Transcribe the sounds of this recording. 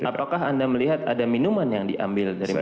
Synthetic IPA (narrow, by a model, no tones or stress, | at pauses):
apakaɦandaməliɦat̪adaminumanjaŋdiʔa̰mbɪldaɾi